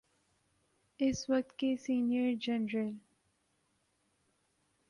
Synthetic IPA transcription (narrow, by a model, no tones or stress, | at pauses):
ɪsʋɐk̚t̪kesiːnijəɾd͡ʒɛnɾəl